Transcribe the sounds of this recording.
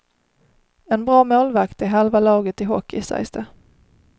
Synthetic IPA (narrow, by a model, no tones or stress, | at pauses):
ɛnbɾɑːmoːlvakt̪ɪɦɛlvalɑːɡət̪ɪɦɔ̰kʰːɪsæ̰jsd̪ə